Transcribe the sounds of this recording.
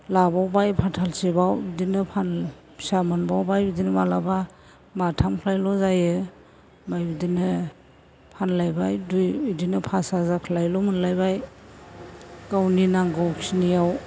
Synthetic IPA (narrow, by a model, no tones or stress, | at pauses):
labawbajpʰatʰalsibawbidinɯpʰan | samɯnbawbajbidinmalaba | matʰamkʰlajlɔzajɯ | majbidinɯ | pʰanlajbajdujidinɯpʰasazakʰlajlɔmɯnlajbaj | kawninaŋɡɔwkʰsinijaw